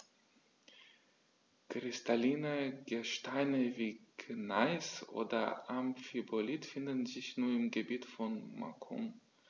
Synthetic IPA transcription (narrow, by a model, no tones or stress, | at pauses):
kʁ̥ɪstʰaliːnəɡəʃtaɪnəviːknaɪsʔo̰ːdɐ̰ʔamfibolitfɪndn̩zɪçnuːɐɪmɡəbiːtfɔnma̰kʰṵm